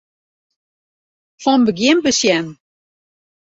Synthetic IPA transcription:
fɔnbəɡjɪmbəsjɛn

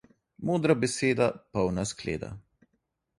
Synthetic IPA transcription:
moːd̪ɾabɛseːd̪apɔwnasklḛːd̪a̰

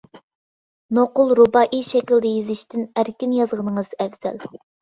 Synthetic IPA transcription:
noqʊlˠɾubɑʔiʃɛkʲild̪ɪjizɪʃt̪ʰɪnæɾkʲinjɑzʁənɨŋɨz̥ɛvz̥ɛl

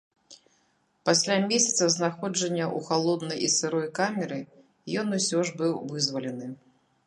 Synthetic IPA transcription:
pasʲlʲamʲesʲɐt̪sɐznaxɔd͡ʐɐnʲːɐʔuxalˠɔd̪nɐjisɨɾɔjkamʲɛɾɨ | jɔnusʲɔʐbɨwvɨzvɐlʲɛnɨ

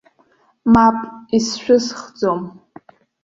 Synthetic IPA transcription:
mapʼisʃᶣʊsχd͡zom

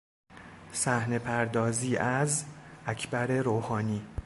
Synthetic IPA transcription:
sæhne̞pʰæɾd̪ɒːziːʔæzʔæcʰbæɾe̞ɾoːhɒːniː

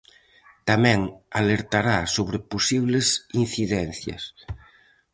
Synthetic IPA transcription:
t̪amɛ̃ŋaleɾt̪aɾasoβ̞ɾɪposiβlesinθiðɛn̟θjɐ̰s

